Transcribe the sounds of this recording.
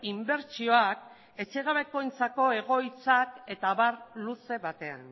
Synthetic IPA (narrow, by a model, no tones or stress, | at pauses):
imbe̞ɾt͡ʃio̞ak | e̞t͡ʃe̞ɣaβe̞ko̞jnt͡sako̞e̞ɣ̞o̞jt͡sake̞t̪aβarluse̞βat̪e̞a̰n